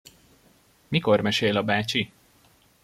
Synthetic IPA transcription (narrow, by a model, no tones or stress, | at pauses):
miko̞rmɛʃeːlɒbaːt͡ʃi